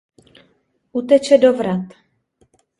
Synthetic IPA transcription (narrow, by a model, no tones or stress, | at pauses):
ʔut̪ɛt͡ʃɛdovɾat̪